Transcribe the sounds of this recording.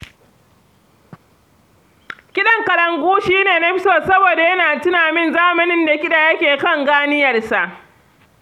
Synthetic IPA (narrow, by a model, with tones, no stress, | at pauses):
kʲɪ˦ɗɐ˨ŋkɐ˨ɾɐ˨ŋɡʷuː˦ʃiː˦neː˨nɐ˦ɸɪ˦soː˦sɐ˦boː˨da˨jɐ˦naː˨tɪ˦naː˨mɪ˦nzaː˦mɐ˨nɪ˦nda˨kʲɪ˦ɗaː˨jɐ˦kʲeː˨kɐ˦˨ŋɡaː˦nɪ˦jɐ˨rsa˨ʔ